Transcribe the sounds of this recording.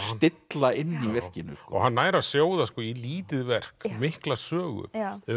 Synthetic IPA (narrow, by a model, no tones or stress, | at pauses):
st̪ɪt̪laɪnːivɛr̥cɪnːʏ̰sɔɣhɦanːaːjɾasjoːwðaskɔːjɛliːt̪ɪðvɛr̥kmɪhklasœːɣʏ̰ɛ